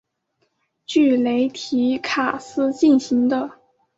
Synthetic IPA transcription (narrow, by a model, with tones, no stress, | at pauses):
t͡ɕy˥˩le˧˥ɪt̪ʰi˧˥kʰa˨˩sɹ̩˥˧t͡ɕi˥˩nɕi˧˥ŋd̪ə˧